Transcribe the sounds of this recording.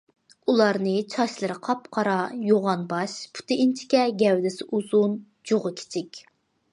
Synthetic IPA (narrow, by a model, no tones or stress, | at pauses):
ulˠɑɾnɨt͡ʃʰɑʃlˠɨɾɨqʰɑpqʰɑɾɑjoʁɑnbɑʃpʰu̥t̪ʰɪint͡ʃʰɪ̥kʲɛɡʲɛwd̪ɪsɪʔuzun | d͡ʒoʁɨkʲʰe̥t͡ʃʰɪkʲ